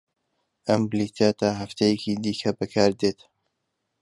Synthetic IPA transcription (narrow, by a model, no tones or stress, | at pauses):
ʔɐmblit̪ʰaːt̪aɦɐft̪ʰejɛkiːd̪iːkʰɐbɨkʰaːɾd̪eːt̪